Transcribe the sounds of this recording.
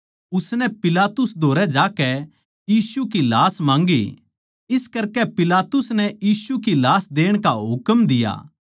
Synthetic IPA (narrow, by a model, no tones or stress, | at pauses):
ʊsnɛpɪlaːt̪ʊsd̪ʱoːɾɛd͡ʒaːkɛ | jiːsukilaːsmãːŋɡḭ | ɪskɐɾkɛpɪlaːt̪ʊsnɛjiːsukilaːsd̪eːəɽ̃kaɦʊkəmd̪ɪja̰ː